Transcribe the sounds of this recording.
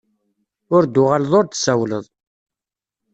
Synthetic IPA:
ʊɾd̪ːʊʁaləðˤʊɾt̪sæwlə̰ðˤ

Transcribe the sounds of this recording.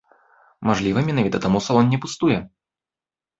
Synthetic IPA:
maʐlʲivɐmʲɛnavʲit̪ɐt̪amust̪ɔɔnːʲɛpust̪ujɛ

